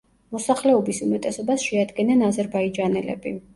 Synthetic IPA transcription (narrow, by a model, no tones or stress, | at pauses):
mɔsaχlɛɔbisumɛt̪ʼɛsɔbasʃɛad̪ɡɛnanazɛɾbaid͡ʒanɛlɛ̰bi